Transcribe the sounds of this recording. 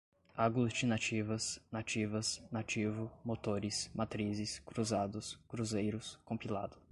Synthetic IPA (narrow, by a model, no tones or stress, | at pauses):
aɡlut͡ʃinat͡ʃivɐsnat͡ʃivɐsnat͡ʃivʊmot̪oɾɪsmat̪ɾizɪskɾuzad̪ʊskɾuzejɾʊskõmpila̰d̪ʊ